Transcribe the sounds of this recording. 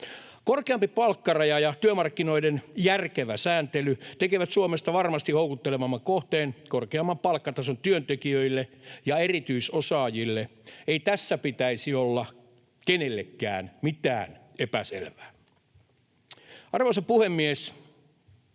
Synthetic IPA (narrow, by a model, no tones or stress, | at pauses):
korkeɑmpipɑlkːɑrɑjɑjɑt̪yømɑrkːino̞idenjærkeʋæsæːnt̪elyt̪ekeʋæt̪suomest̪ɑʋɑrmɑst̪ihoukut̪ːelemɑmːɑkoht̪eːnkorkeɑmːɑmpɑlkːɑt̪ɑsont̪yønt̪ekiøilːejɑerit̪yisosɑːjilːeeit̪æsːæpit̪æisiolːɑ | kenelːḛkːæ̰ːnmit̪æ̰ːnepæsḛlʋæː | ɑrʋoisɑpuhemːies